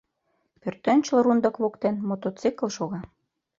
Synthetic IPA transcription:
pørt̪ønt͡ɕlɤ̆ɾund̪ɤ̆kβokt̪enmot̪ot͡sikə̆lˠʃoɣɑ

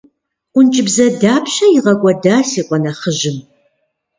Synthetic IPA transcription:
ʊnt͡ʃʼɪbzɐdaːpʰɕɐjɪʁɐkʷʼɐdaːsiːqʷʼɔnɐχəʒɪm

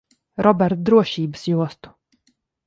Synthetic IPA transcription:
ɾɔbʲɛɾt̪d̪ɾuɔʃiːbɨsjuɔst̪u̥

